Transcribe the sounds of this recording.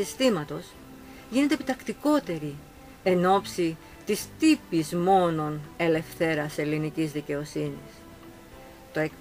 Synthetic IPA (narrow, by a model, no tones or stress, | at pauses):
ist̪imɐt̪o̞s | ʝinet̪epit̪ɐkt̪iko̞t̪e̞ɾi | e̞no̞psi | t̪ist̪ipizmo̞no̞ne̞le̞fθe̞ɾɐse̞linicizðice̞o̞sinḭs | t̪o̞e̞k